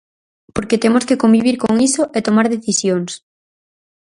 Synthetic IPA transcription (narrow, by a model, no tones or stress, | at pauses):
poɾket̪emoskekombiβ̞iɾkoŋisoʔet̪omaɾðeθisjoŋs